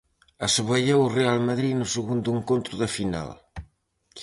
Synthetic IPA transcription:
ɐsuβɐʎewʊrealmɐðɾinʊseɣund̪ueŋkont̪ɾʊðɐfina̰l

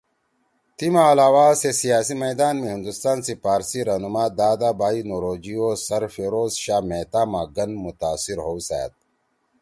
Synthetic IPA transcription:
t̪imaːlaːwaːsesijaːsimɐjd̪aːnmiɦind̪ust̪aːnsipaːɾsiɾanumaːd̪aːd̪abaːinoɾoːd͡ʑiosɐɾfeɾoːzɕaːmeːt̪aːmaːɡɐnmut̪aːsiɾɦoːsa̰ja̰t̪̚

